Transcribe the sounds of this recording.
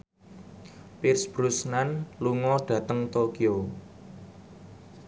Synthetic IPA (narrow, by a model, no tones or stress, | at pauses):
pɪrsb̥ɾusnanluŋɔɖ̥ä̤t̪əŋt̪okio